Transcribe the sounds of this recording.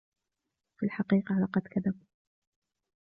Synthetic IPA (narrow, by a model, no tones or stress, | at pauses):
filħɑqiːqɑlɑqɑd̪kaðab